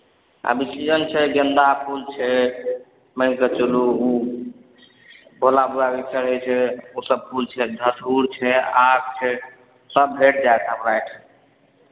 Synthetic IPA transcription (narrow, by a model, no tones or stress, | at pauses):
a̰bisid͡ʒənt͡ʃʰɛd͡ʒənd̪apʰult͡ʃʰɛ | mɛkət͡ʃuluu | bʱolabuɾabikt͡ʃʰəɾɦəjt͡ʃʰɛosəb̚pʰult͡ʃʰɛdʱətʰuɾt͡ʃʰɛak̚t͡ʃʰɛ | səbːʱeʈ̚ʰd͡ʒaet̪ʰəmɾajʈʰ